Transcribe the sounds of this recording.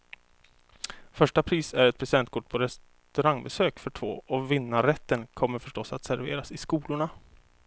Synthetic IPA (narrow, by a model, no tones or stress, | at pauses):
fœʂʈapʰɾiːsæɾɛt̪̚pʰɾɛsɪd̪ɛnt̪̚kʰʊʈ̚ːpʰɔɾɛs | t̪ɵɾaŋːbɛsøːkfœʈʰvo̰ːɔvɪnːaɾɛt̪ːənkʰɔmːəɾfœʂʈɔsːat̪sæɾvḛːɾasɪskuːlʊɳa